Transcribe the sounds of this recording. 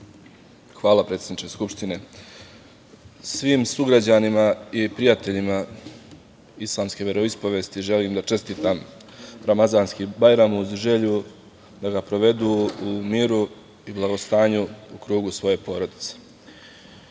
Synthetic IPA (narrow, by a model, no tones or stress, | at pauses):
xʋaːlˠapɾet̪sʲjed̪nit͡ʃeskupʃt̪ine̞ | sʋiːmsuɡɾad͡ʑanimaipɾijat̪e̞ʎima | islˠaːmske̞ʋe̞ɾo̞ispoʋe̞ːst̪iʒe̞liːmd̪at͡ʃe̞st̪iːt̪am | ɾamazaːnskibajɾamuzʒe̞ʎu | d̪aɡapɾo̞ʋe̞d̪uːmiːɾu | iblˠaɡo̞st̪aːɲuukɾuːɡusʋo̞je̞po̞ːɾo̞d̪it̪se̥